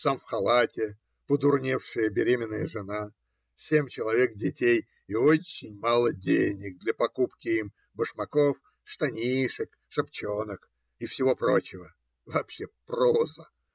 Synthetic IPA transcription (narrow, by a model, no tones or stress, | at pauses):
samfxɐlˠatʲɪ | pəd̪ʊrnʲefʂɨjəbʲɪɾʲemʲɪnːəjəʐɨna | sʲemʲt͡ɕɪlˠɐvʲe̞k̚dʲɪtʲej | ɪot͡ɕːɪnʲmalˠədʲenʲɪk̚d̪lʲɐpɐkupkʲɪim | bəʂmɐkof | ʂt̪ɐnʲiʂɨk | ʂɐpt͡ɕo̞nək | ɪfsʲɪvo̞pɾo̞t͡ɕɪvə | vɐːpɕːeprozə